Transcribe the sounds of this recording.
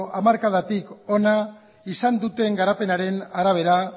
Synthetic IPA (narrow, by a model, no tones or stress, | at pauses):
ʔamaɾkað̞at̪iko̞na | isand̪ut̪e̞ŋɡaɾape̞naɾe̞naɾaβ̞e̞ɾa